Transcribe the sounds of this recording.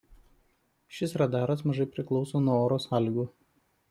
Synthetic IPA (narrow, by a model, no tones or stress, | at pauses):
ʃʲɪsɾɐd̪ɑːɾɐsmɐʒɐɪpʲɾʲɪklˠɒʊsoːnuɔoːɾoːsɑːlʲiɡuː